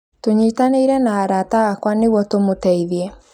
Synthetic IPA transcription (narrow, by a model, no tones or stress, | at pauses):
toɲitaneiɾɛnaːɾataɣakwaneɣwɔtomotɛiðjɛ